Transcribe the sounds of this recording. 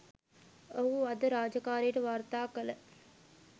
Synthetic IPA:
oɦuad̪əɾaːd͡ʒəkaːɾijəʈəʋart̪aːkələ

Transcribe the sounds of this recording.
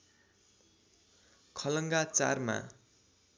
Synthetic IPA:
kʰʌlʌŋɡat͡sa̰rma̰

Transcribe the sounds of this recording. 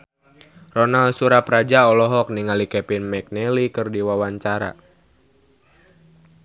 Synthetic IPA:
rɔnalsuɾapɾad͡ʒaɔlɔɦɔk̚niŋalikɛpinmɛk̚nɛlikɨrdiwawaɲt͡ʃaɾa̰

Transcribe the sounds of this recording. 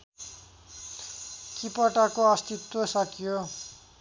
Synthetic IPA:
kipʌʈakoʌst̪it̪wosʌkijo

